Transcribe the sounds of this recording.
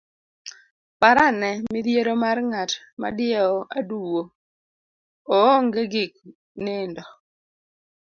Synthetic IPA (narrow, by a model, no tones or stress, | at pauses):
paɾanɛmɪdjeɾomarŋat | ma̰dɪɛɔʔaduwo | ŋɡeɡɪk̚ | nendɔ